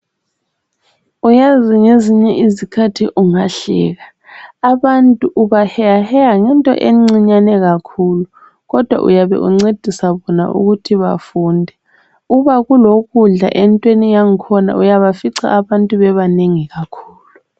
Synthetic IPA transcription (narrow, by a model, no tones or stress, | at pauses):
ujaziŋeziɲɛʔizikʰatʰiʔuŋaɬɛ̰ːɣa | aβantʼuʔuβahɛahɛjaŋɛntʼɔ̰ʔeŋ͡ǀiɲanɛɣakʰulu | ɣɔd̥ʱwa̰ʔṵjaβɛ̰ʔṵŋ͡ǀed̥ʱisaβɔna̰ʔṵɣutʰiβa̰fuːndʱɛ | uβaɣuloɣuɮa̰ʔɛntʼwenijaŋikʰɔna̰ʔujaβafiǀa̰ʔːβantʼuβɛβaneŋiɣakʰuːlu